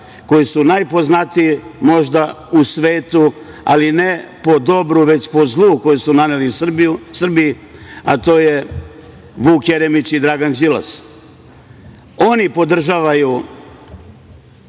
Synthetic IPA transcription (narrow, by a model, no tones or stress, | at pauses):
ko̞jisunajpo̞znat̪ijimo̞ʒd̪a | usʋeːt̪u | a̰linepo̞d̪o̞bɾuʋe̞t͡ɕpo̞zlˠuːko̞jusunanelisr̩bii | at̪o̞ːje | ʋuːkjeɾemit͡ɕid̪ɾaːɡand͡ʒila̰s | o̞nipo̞d̪r̩ʒaːʋaju